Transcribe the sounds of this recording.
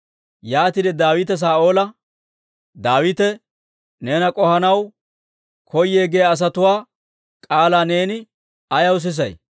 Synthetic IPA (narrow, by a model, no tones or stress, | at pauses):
jaːt̪ɪd̪ɛd̪aːwɪt̪ɛs̬aːʔo̞ːlɐ | d̪aːwɪt̪ɛ | ne̞ːnɐkʼɔhɐnɐw | kʰɔjːeːɡejɐːs̬ɐt̪ʊwaː | kʼaːlaːne̞ːnɪ | ɐjɐws̬ɪs̬ɐ̰j